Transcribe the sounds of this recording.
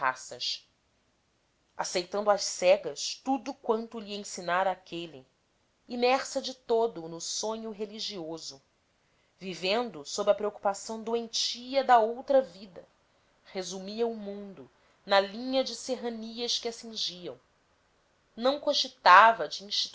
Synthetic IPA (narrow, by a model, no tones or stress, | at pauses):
a̰sɐ̰ʃ | asejt̪ɐ̃nd̪ʊɐʃsɛɡɐʃt̪ud̪ʊkwɐ̃nt̪ʊʎiẽsinaɾɐːkʲʰeli | imɛɾsɐd͡ʒɪt̪od̪ʊnʊsõɲʊɦeliʒiozʊ | vivẽnd̪ʊsobɾɐpɾeoku̥pasɐ̃w̃d̪uẽnt͡ʃiɐd̪ɐowt̪ɾɐvid̪ɐ̰ | hezumiɐʊmũd̪ʊ | nɐlĩɲɐd͡ʒɪseɦɐniɐʃkɪasĩʒiɐ̰̃w̃ | nɐ̃w̃kõʒit̪avɐd͡ʒɪĩʃt͡ʃi̥